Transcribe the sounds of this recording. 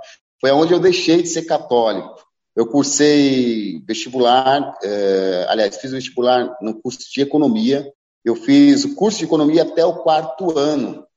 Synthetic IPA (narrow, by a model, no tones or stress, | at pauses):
fojaõd͡ʒɪewd̪ejʃejd͡ʒɪseɾkat̪ɔlikʊ̥ | ewkuɾsejvest͡ʃibulaɾɛa̰liajsfizʊ̃vest͡ʃibulaɾnʊkuɾsʊ̥d͡ʒɪekonõmiɐ | ewfizʊkuɾsʊd͡ʒɪekonõmiɐat̪ɛʊkwaɾt̪ʊɐ̃nʊ